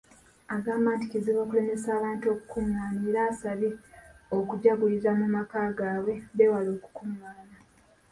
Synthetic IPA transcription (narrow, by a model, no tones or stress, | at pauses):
aɡaːmaːnticiziβo̞ːkule̞ːmesaːβaːntuo̞ːku̥kuŋːaːniːɾaːsaβiokuɟaɡujizamumakaːɡaːwe̞βewalo̞ːku̥kuŋaːna